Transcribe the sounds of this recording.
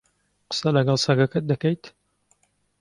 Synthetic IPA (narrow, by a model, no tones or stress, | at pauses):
qə̥sɐlɐɡɐlˠsɐɡɐkɐt̪̚d̪ɐkɐjt̪ʰ